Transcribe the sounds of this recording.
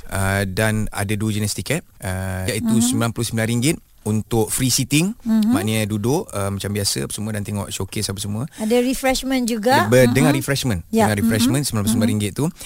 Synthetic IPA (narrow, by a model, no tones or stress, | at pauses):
ʔədana̰dadud͡ʒinɛst̪ikat̪̚əjaʔit̪usəmilanplʊsəmbilanɾiŋɡɪt̪̚ | unt̪ʊk̚fɾisit̪ɪŋmaʔnĩədudʊʔəmat͡ʃambiasə̰apəsəmuədant̪ɛŋɔʔʃokɪsapəsəmũəadaɾifɾɛʃmə̃nd͡ʒuɡabədəŋarɾifɾɛʃmə̃njdaəŋãɾifɾɛʃmə̃nsəmilãplusəmilãnɾiŋɡɪt̪̚t̪ːu